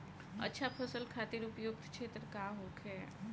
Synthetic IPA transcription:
ɐ̰tːʃʰapʰɐsəlkʰaːt̪ɪɾʊpjʊk̚t̪kʃʰeːt̪ɾəkaɦoːkʰɛ

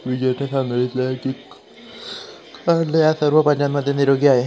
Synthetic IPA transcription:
ʋiɡat̪esand̪əlit̪lakik | kaɽlejasəɾʋəpəɲd͡ʑanməd̪ʱːjeniɾoɡiaɦe

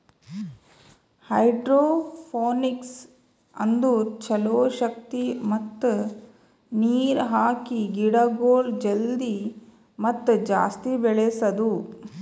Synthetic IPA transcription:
hɐjɖɾoːpʰoːniks | ɐ̰nd̪ut͡ʃɐloːʃɐk̚t̪imɐt̪ːu | niːɾɦaːkiɡiɽɐɡoːld͡ʒeld̪i | mɐt̪ːud͡ʒa̰ːst̪ibɛɭesɐd̪u

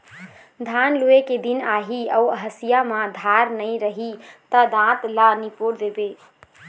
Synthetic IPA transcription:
d̪ʱanlueked̪inaɦiəuəɦəsijamãd̪ʱaɾnəjɾəɦit̪əd̪ãt̪lanipoɾd̪ebe

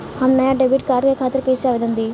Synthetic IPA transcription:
ɦannɐjãːɖebiːʈ̚kaːɾɖkekʰaːt̪ɪɾkeːsaʋed̪ə̃nd̪iː

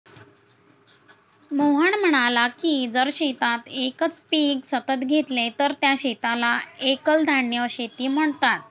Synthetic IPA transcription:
moɦəɳm̤əɽ̃alakiːd͡zəɾɕet̪at̪ekət͡spiːɡsət̪ət̪ɡʱet̪let̪əɾt̪jaɕet̪alaekəld̪ʱaɳjəɕet̪iːm̤əɳt̪at̪̚

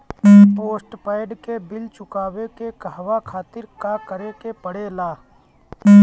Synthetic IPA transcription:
poːsʈpaːɪɖkebɪlt͡ʃʊkaːwekekəʋakʰaːt̪ɪɾkakəɾekepəɽelaː

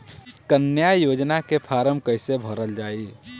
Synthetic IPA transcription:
kənjajoːd͡ʒnakepʰaːɾəmkəɪsebʱəɾəld͡ʒaːi

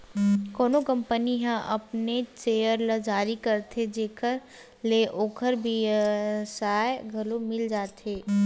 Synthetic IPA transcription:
kɔːnokɐ̃mpəniɦãʔɐpnet͡ʃeːjəɾləd͡ʒaːɾikɐɾt̪ʰed͡ʒeːkʰəɾ | leːʔoːkʰəɾbʱi | saːeɡʱɐlomɪld͡ʒaːt̪eː

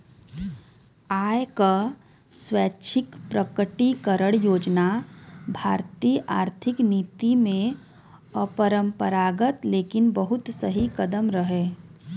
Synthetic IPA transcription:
aːjka | swɛːt͡ʃʰɪkpɾəkəʈikəɾəɽjoːd͡ʒnabʱaːɾt̪ijʔaːɾt̪ʰɪkniːt̪imẽ | əpəɾə̃mpəɾaːɡət̪leːkɪnbəɦʊt̪səɦikəd̪əmɾəɦeː

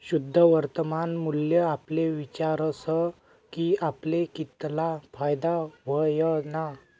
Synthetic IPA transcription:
ɕud̪ʱːəʋəɾt̪əmanmuljəapleʋit͡ɕaɾəsə | kiaplekit̪lafajd̪aʋəjəna

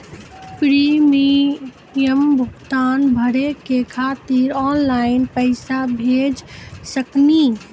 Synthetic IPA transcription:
pɾimi | jəmbʱʊkt̪anbʱəɾekekʰat̪iɾɔnlaɪnpəɪsabʱed͡ʒsəkni

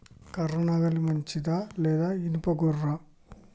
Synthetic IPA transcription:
kɐɾɐnaɡɐlimɐɲt͡ʃid̪aːlɛːd̪aːinupɐɡurːa

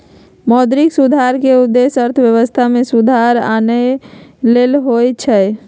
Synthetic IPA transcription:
mɔd̪ɾiksud̪ʱaɾkeud̪ːesəɾt̪ʰəbjəβəst̪ʰamesud̪ʱaɾa̰nəjlelɦojt͡ʃʰə

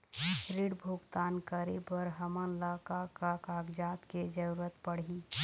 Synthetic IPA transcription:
ɾiɽbʱuɡt̪aːnkəɾebəɾɦəmənlakakakaɡd͡ʒat̪ked͡ʒəɾuɾət̪pəɽ̤i

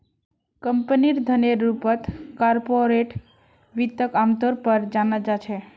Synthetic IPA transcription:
kəmpəniɾd̪ʱəneɾupət̪kaɾpoɾeʈ | ʋit̪ːəkamt̪oɾpəɾd͡ʒanad͡ʒat͡ʃʰe

